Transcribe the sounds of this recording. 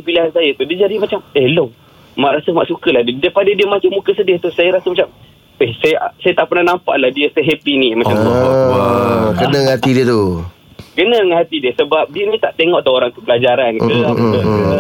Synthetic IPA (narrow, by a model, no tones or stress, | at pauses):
ipilaɦansajət̪udiəd͡ʒadimat͡ʃaməhlo | maʔɾasəma̰ʔsukəlahddəpadədiəmat͡ʃamukəsədəht̪usajəɾasəmat͡ʃam | əhsajəsajət̪aʔpərnahnampa̰ʔlahdiəsəɦepinĩmat͡ʃamt̪u | kənəŋɦat̪idiət̪u | kənəŋəɦat̪idiəsəbap̚diənĩt̪aʔt̪eŋɔʔdaoɾaŋt̪upəlad͡ʒaɾankiua